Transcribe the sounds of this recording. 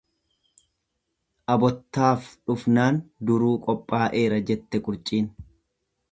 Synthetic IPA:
ʔɐbɔt̪ːaːfᶑʊfnaːnd̪ʊɾuːkʼɔpʼːaːʔe̞ːɾɐd͡ʒɛt̪ːɛkʼʊɾt͡ʃʼiːn

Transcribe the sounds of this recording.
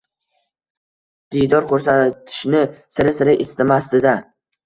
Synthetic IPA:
d̪̥ijd̪ɒɾkʰɵɾsat̪ʰɪ̥ʃnɪsɪɾɪsɪɾɪʔɪst̪ɪmast̪ɪd̪a

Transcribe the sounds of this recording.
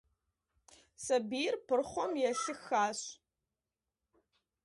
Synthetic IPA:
sɐbiɪrpʰɨrχʷɔmjɛɬɨxaːɕ

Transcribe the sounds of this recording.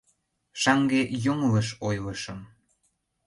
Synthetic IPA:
ʃɑŋɡeʔjoŋləʃojləʃəm

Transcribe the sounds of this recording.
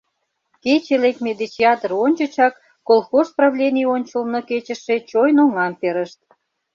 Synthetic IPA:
ket͡ɕelekmʲed̪it͡ɕiɑt̪əronʲt͡ɕət͡ɕɑkː | olˠxosprɑvlʲenʲijonʲt͡ɕəlnoket͡ɕə̆ʃet͡ɕojnoŋɑmpeɾəʃt̪̚

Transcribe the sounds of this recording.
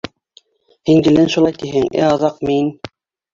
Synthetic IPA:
hiŋɡ̪ɘ̆lɘnʃulˠɑjt̪iɦɘŋæ̰ɑðɑqmin

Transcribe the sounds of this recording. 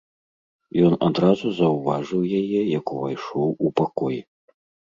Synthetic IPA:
jɔnad̪ɾazuzɐwvaʐɨwjajɛjɐkuvajʂɔwupakɔji

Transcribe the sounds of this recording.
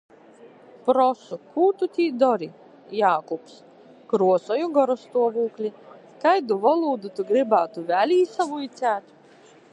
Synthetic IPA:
pɾɔsukʰuːt̪ut̪ʲiːd̪ɔɾi | jaːkups | kɾuɔsɔjuɡɔɾɔst̪uɔvuːklʲi | kajd̪uvɔlˠuːd̪ut̪uɡɾibaːt̪uvʲælʲiːsavuit̪sʲæːt̪

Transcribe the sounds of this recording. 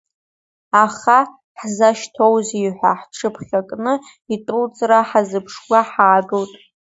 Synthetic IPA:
aχa | ħzaʃtʰowziħʷaħʈ͡ʂʰɨpʰχʲakʼnɨ | itʼult͡sʼraħazɨpʰʂɡʷaħaːɡɨwtʼ

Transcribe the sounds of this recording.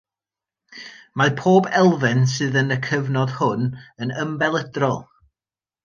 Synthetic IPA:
mapʰoːbɛlˠvɨnsɨːðənəkʰəvnɔðhʊnənəmbɛlˠədrɔlˠ

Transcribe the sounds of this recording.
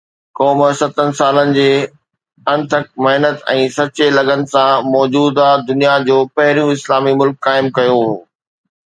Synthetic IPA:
kɔːmsɐt̪ʰənɪ̆saːlənɪ̆d͡ʑeː | ɐ̃nt̪ʰək̚mɐɦnət̪ɛ̃ːsɐt͡ɕelɐɡənɪ̆sãmɔːd͡ʑuːd̪ad̪ʊnijad͡ʑoːpɐɦɪɾjũɪslaːmimʊlkːaːɪmkːɐjoɦoː

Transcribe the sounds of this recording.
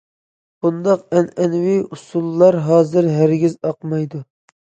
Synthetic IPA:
b̥und̪ɑqɛnɛnwiusulˠːɑɾɦɑːzɪɾɦæɾɡʲizɑqmɑjd̪u

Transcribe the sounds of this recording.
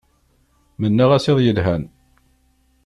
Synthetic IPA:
mənːaʁæseðˤjəlɦæn

